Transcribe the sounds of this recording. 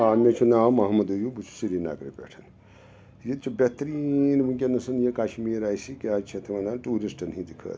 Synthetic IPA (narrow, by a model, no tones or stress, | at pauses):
amet͡ʃʰunaːmɐɦmɐd̪ujubut͡ʃʰu̥siɾina̰ːɡɾḭpʲḛʈʰɐn | jit̪t͡ʃʰubet̪ɾinbukʲenɐsɐnjekaʃmiːɾaːjsikiat͡ʃʰet̪ʰɐmɐnd̪aːnʈuːɾisʈɐnɦĩd̪ikʰə̰ːt̪